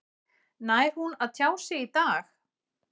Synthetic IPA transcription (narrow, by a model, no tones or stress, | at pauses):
naːjɾ̥hunaðt̪ʰjaːwsɪit̪aːx